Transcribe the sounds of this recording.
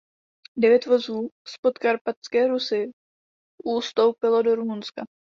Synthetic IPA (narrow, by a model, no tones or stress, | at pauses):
dɛvjɛt̪vo̞zuːspo̞t̪kaɾpat̪skɛːɾusɪ | ʔust̪o̞wpɪlo̞do̞ɾumunska